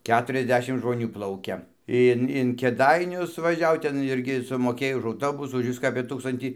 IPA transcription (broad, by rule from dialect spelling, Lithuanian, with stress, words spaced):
ˈkʲæːtʊrʲɛzʲˌdʲæːʃʲɪm ʒmoːˈnʲuː ˈplˠɐʊkʲɛ ˈɪn ɪn kʲeːˈdɐɪnʲʊs ʋɐˈʒʲɛʊ ˈtʲɛn ˈɪrʲɡʲɪ sʊmoːˈkʲeːj ʊʃ ɐʊˈtoːbʊsuː ʊʃ ˈʋʲɪskɑː ɐpʲeː ˈtuːkstɐnʲtʲiː